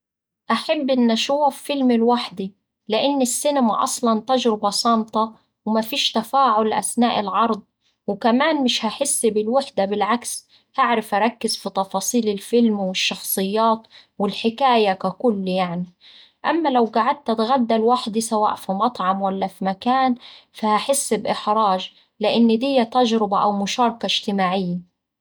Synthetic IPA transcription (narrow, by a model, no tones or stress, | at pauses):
ʔaħabːʔɪnːʔaʃʊwafːɪlmɪlwaħd̪i | lɪʔɪnːɪsːɪnamaʔɑ̰sˤlɑnt̪aʒɾɪbɑsˤɑnt̪ˤɑ | wmafiːʃt̪afaːʕʊlːʔa̰snaːʔɪlʕɑɾˤd̪ˤ | wɪkamaːnmɪʃhaħɪsːbɪlwɪħd̪abɪlʕaks | haʕɾɪfʔaɾˤɑkːɪzfit̪ˤɑfɑːsˤiːlɪlfɪlmwɪʃːɑxsˤɨjːɑːt̪ | wɪlħɪkaːjakakʊlːjaʕni | ʔamːalawɡaʕad̪̚t̪at̪ɣad̪ːalwaħd̪isawa̰ːʔfimɑt̪ˤʕɑmwalːafimakaːnfahaħɪsːbʔɪħɾˤɑːʒ | lɪʔɪnːd̪ɪjːat̪aʒɾɪbaʔawmʊʃɑːɾˤkaɪʒt̪ɪmaːʕɪjːa